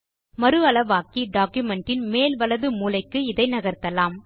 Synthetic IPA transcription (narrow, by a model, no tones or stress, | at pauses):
mɐɾɯɐlɐʋaːkiɖaːkjɯmɛɳʈɪnmeːlʋɐlɐðɯmuːlɐɪkːɯɪðɐɪnɐɣɐrt̪ːɐlaːm